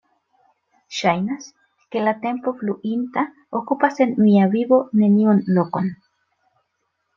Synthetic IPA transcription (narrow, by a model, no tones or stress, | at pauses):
ʃajnas | kelat̪empofluʔint̪a | okupasenmiaβiβonenionlokon